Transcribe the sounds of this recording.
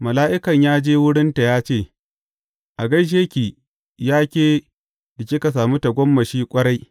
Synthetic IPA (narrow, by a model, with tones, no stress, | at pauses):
mɐ˨laː˦ʔɪ˦kɐ˨ɲjaː˦d͡ʒeː˦wʊ˦ɽɪ˦nta˨jaː˦t͡ʃeː˦˨ | ʔa˨ɡɐ˦jʃ̬eː˦kʲiː˨ | jaː˦kʲeː˦ | dɪ˨kʲiː˦ka˨s̬aː˨muː˦ta˨ɡʷɔ˦mːɐ˨ʃiː˦kʷʼɐ˦ɽa˦j